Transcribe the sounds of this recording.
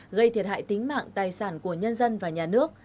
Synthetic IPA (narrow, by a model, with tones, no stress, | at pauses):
ɣə˧jt̪ʰi˨˩ha̰ː˧˨jt̪ï˨˦ŋ̟ma̰ː˧˨ŋt̪aː˨˩jsaː˧˩nku˧˩əɲə˧nzə˧nvaː˨˩ɲaː˨˩nɨ˦˥ək̚